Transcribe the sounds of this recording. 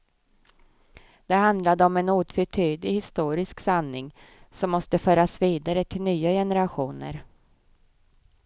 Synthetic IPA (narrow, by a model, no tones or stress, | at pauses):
d̪̥ɛɦand̪lad̪əɔmɛnuːt̪fœʈʰyːd̪lɪɡhɪst̪uːɾɪsksanːɪŋsɔmːɔst̪əfœːɾasviːd̪aɾət̪ʰɪlnyːajɛnəɾaɧuːnə̰ɾ